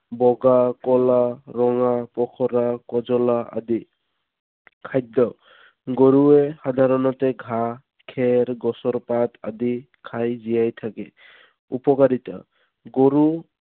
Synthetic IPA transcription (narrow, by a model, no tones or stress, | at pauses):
bɔɡakɔlaɾɔŋapɔkʰɔɾakɔzɔlaa̰d̪i | kʰaj̚daw | ɡoɹuexadʱaɾɔnɔtɛɡʱa | kʰɛɾɡɔsɔɹpata̰di | kʰajzijajtʰakɛ | upɔkaɾita̰ | ɡoɾu